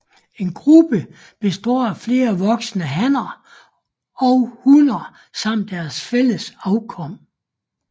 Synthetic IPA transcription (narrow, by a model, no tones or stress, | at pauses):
e̝nɡ̥ʁub̥ə | b̥e̝sd̥ɔ̰ːfle̝ːɐʋɒ̽ɡ̥sənəɦæn̰ɐ | ɒ̽ʊhunɐ | sɑ̈m̰d̥ːæɐsfel̰əsɑ̈ʊkʰɒ̽m̰